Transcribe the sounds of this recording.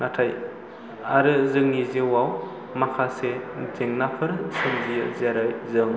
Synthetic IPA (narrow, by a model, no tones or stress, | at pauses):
natʰaj | aɾɯzɯŋnizewaw | makʰasezeŋnapʰɯɾsɯmzijɯzeɾajzɯŋ